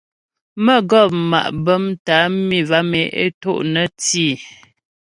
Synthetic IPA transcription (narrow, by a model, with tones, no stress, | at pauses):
mə˦ɡɔ˦˨p̚ma̰˨ʔbə˦mta˨˦mi˦˨va˦me˨ḛ˦to̰˦ʔnə˦tiː˦˨